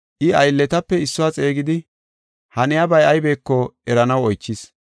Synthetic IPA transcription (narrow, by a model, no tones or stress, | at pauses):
ʔɪɐjlːɛt̪ɐpːɛɪsːʊwaːt͡sʼe̞ːɡɪd̪ɪ | hɐnɪjabɐjɐjbe̞ːkːɔɛɾɐnɐwɔjt͡ʃːɪs